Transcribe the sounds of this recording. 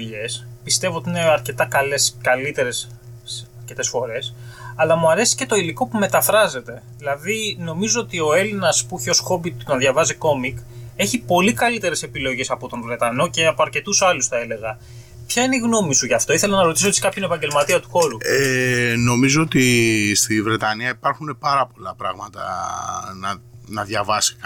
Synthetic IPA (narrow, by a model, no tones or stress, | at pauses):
ʝe̞spist̪e̞voot̪iine̞ɐɾce̞t̪ɐkɐle̞skɐlit̪e̞ɾe̞s | ɐɾce̞t̪e̞sfo̞ɾe̞sɐlɐmuɐɾe̞si̥ce̞t̪o̞iliko̞pume̞t̪ɐfɾɐze̞t̪e̞ðilɐðino̞mizoot̪io̞e̞linɐspuceosxo̞bit̪uɐðʝɐvɐziko̞mike̞çipo̞likɐlit̪e̞ɾe̞se̞pilo̞ʝe̞sɐpo̞t̪o̞nvɾe̞t̪ɐno̞ce̞ɐpoɐɾce̞t̪usɐlusθɐe̞le̞ɣɐ | pçɐineiɣno̞misuʝɐft̪o̞iθe̞lɐnɐɾo̞t̪isot̪skɐpçoinepɐɲɟe̞lmɐt̪iɐt̪u̥xo̞ɾueno̞mizoot̪ist̪ivɾe̞t̪ɐniɐipɐɾxune̞pɐɾɐpo̞lɐpɾɐ̰ɣmɐt̪ɐ̰nɐnɐðʝɐvɐsi̥k